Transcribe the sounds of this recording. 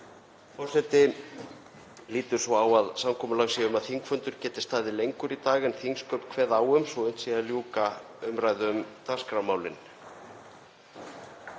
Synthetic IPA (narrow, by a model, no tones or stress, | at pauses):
fɔwsɛt̪ɪ | liːt̪ʏɾ̥svɔaːwaðsamkʰɔːmʏlaɣsiʏmaðθiŋkfœnt̪ʏɾ̥cɛːt̪ɪ̥st̪aːðɪlejŋkʏɾit̪aːɣɪnθiŋskʰœɥp̪kʰvɛːðawʏmsvɔʏjn̥t̪siɣaljuːka | ʏmɾaːjðʏmt̪ar̥skɾamaːwlɪn